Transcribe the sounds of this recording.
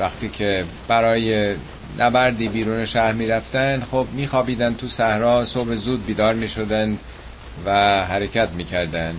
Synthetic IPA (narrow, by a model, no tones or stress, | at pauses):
væxt̪iːcʰe | b̥æɾɒːje | nʔæbæɾd̪iːbiːɾuːneʃæhɾmiːɾæft̪ænd̪xob̚miːxɒːbiːd̪ænd̪t̪ʰusæhɾɒːsobezuːd̪̚biːd̪ɒːɾmiːʃod̪ænd̪ | væɦæɾecʰæt̪miːcʰæɾd̪ænd̪